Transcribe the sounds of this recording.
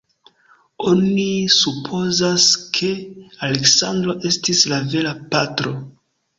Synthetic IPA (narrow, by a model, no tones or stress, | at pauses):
o̞nisupʰo̞zaskʰe̞ale̞ksandɾo̞ʔe̞stislave̞lapatɾo̞